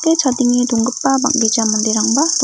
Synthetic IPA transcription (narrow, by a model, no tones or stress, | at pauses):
ket͡ɕʰad̪iŋid̪oŋɡɯpːaba̰k̚ded͡ʒamund̪eɾaŋba